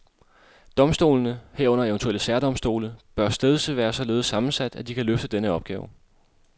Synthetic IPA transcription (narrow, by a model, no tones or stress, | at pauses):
d̥ɒ̽msd̥o̝̰ːlnəheɐ̰ɔ̽n̰ɐent͡sʰuel̰əsæɐd̥ɒ̽msd̥o̝̰ːləb̥ɶɐsd̥eðˠsəʋæːɐsɒ̽le̝ːðˠsːɑ̈mn̩sæd̥æd̥ikʰæløfd̥əd̥enəɒ̽b̥ɡ̥ɛ̰ːʊ